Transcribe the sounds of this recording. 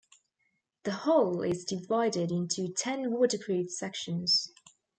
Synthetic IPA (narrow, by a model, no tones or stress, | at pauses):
ðəhɒʊlɪzdɪvaɪdɪdɪ̃ntʰutʰɛ̃nwɔːˑdɪkʰɹ̥iːd̥sɛkʃə̃nz̥